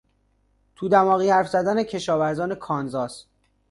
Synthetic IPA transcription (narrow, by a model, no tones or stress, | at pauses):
t̪ʰuːd̪æmɒːɣiːhæɾfzæd̪æne̞cʰe̞ʃɒːvæɾzɒːne̞kʰɒːnzɒːs